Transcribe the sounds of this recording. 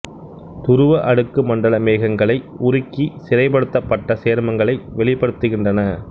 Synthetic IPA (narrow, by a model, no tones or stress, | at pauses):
t̪ʊɾɯʋɐʔɐɽɯkːɯmɐɳɖɐɭɐmeːɣɐŋɡɐɭɐɪʊɾɪkːisɪɾɐɪp̬ɐɽɯt̪ːɐpːɐʈːɐseːɾmɐŋɡɐɭɐɪʋɛɭɪpːɐɽɯt̪ːɯɣɪndrɐnɐ